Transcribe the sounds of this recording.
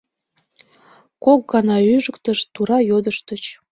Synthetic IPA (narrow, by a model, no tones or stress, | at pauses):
kok̚ɡɑnɑyʒəkt̪əʃt̪uɾɑjod̪əʃt̪ət͡ɕ